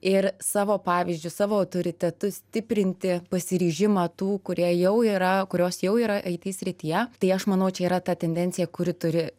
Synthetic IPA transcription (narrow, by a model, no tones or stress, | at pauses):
ɪrsɑːʋoːpɑːʋʲɪzʲd͡ʒʲʊsɑːʋoːɐʊt̪oːɾʲɪt̪ʲɛt̪ʊsʲt̪ʲɪpʲɾʲɪnʲt̪ʲɪpɐsʲɪɾʲiːʒʲɪmɑːt̪uːkʊɾʲiɛjɛʊiːɾɐkʊɾʲoːsjɛʊiːɾɐʔɐɪt̪ʲiːsʲɾʲɪt̪ʲijɛt̪ɐɪɐʃmɐnɐʊt͡ʃʲɛiːɾɐt̪ɐt̪ʲɛnʲd̪ʲɛnʲtsʲɪjɛkʊɾʲɪt̪ʊɾʲɪ